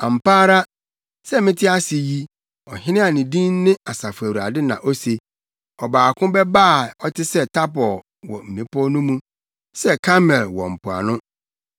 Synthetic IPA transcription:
ã˨m̩˨paː˦ɾa˦ | sɛ˦mɪ̃˦tʰɪ˦a˦sɪ˨ji˦ | ɔ˨hɪ̃˦nɪ̃˦a˨nɪ̃˨dĩ˦nː˦ɪ̃˦a˨sa˨fu˨æ˨wu˨ɾa̰˨dɪ˦nã̰˨ʔo˦se˨ | ɔ˨baː˨kʰʊ̃˦bɛ˦ba˦˨ɔ˦tʰɪ˦sɛ˦tʰa˦pɔ˨l | wɔ̰˨m̩˨nĩ˨pʰɔ˦nʊ̃˦mũ˦ | sɛ˦kʰa˦mɛ˨lwɔ̰˨m̩˨pʰʊ˨a̰˨nʊ̃˦

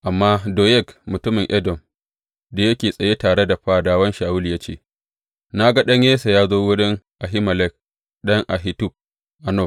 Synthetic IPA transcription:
ʔa˨mːaː˦doː˨jɛ˦˨kmʊ˨tʊ˦mɪ˨ŋʔɛ˦dɔ˨m | de˦jɐ˦kʲeː˨sʼɐ˨je˦taː˨ɽe˦da˨ɸaː˦daː˦wɐ˦nʃaː˨wʊ˦li˨ja˦t͡ʃḛː˦˨ | na˦ɡa˦ɗɐ˦ɲjeː˦sa˨jaː˦zoː˦wʊ˦ɗɛ˦ŋʔa˨ɦi˦mɐ˨lɛ˦k̚ | ɗɐ˦ŋʔa˨ɦɪ˦tʊ˦˨b̚ | ʔa˨noː˦˨

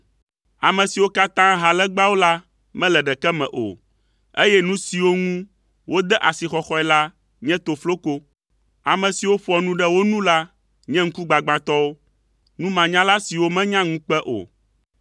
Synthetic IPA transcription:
a˨mɛ̃˨si˨wo˦ka˦t̪ã˦ɦa˨lɛ˦ɡ͡ba˦wo˦la˦ | mɛ̃˦lɛ˨ɖɛ˨kɛ˦mɛ̰̃˨ʔo̰˨ | e˦jɛ˦nũ˦si˨wo˦ŋũ˦ | wʔo˦d̪ɛ˦ʔa˨si˨xɔ˦xɔ˦ɛ˨˦la˦ | ɲɛ̃˦t̪o˨flo˦ko˦ | a˨mɛ̃˨si˨wo˦ɸɔ˨nũ˦ɖɛ˦wo˦nũ˦la˦ | ɲɛ̃˦ŋ̩˦ku˦ɡ͡ba˨ɡ͡bã˨t̪ɔ˦wo˦ | nũ˦mã˨ɲã˦la˦si˨wo˦mɛ̃˦ɲã˦ŋũ˦k͡pɛ˦ʔo̰˨

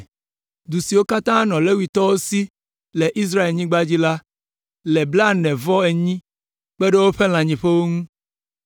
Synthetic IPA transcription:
d̪u˨si˨wo˦ka˦t̪ã˦nɔ̃˨le˦wi˨t̪ɔ˦wo˦si˦ | le˨ʔi˦s̬ɾa˦e˨lɲĩ˦ɡ͡ba˦d͡ʑi˦la˦ | le˨bla˦˨nɛ̃˨vɔ˦e˨ɲĩ˦ | k͡pe˦ɖe˦wo˦ɸe˦l̃ã˨ɲĩ˨ɸe˦wo˦ŋũ˦

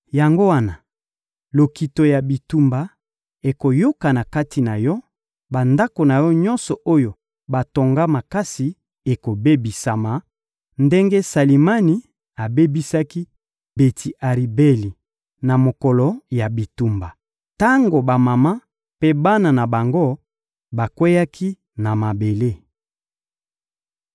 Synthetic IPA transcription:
ja˨ŋɡo˦wa˦na˨ | lo˨ki˨to˨ja˨bi˨tu˨mba˨ | e˨ko˨jo˦ka˨na˨ka˦ti˨na˨jɔ˦ | ba˨nda˦ko˨na˨jɔ˦ɲɔ˦nsɔ˨ʔo˦jo˨ | ba˨to˨ŋɡa˦ma˨ka˦si˨ | e˨ko˨be˦bi˨sa˨ma˨ | nde˦ŋɡe˦sa˨li˨ma˦ni˨˦ | a˨be˦bi˦sa˦ki˦ | be˨tʰi˨ʔa˨ʁi˨be˦li˨ | na˨mo˨kɔ˨lɔ˨ja˨bi˨tu˨mba˨ | ta˦ŋɡo˨ba˨ma˨ma˦ | pe˦ba˦na˨na˨ba˨ŋɡo˦ | ba˨kwe˦ja˦kʰi˦ | na˨ma˨be˨le˦

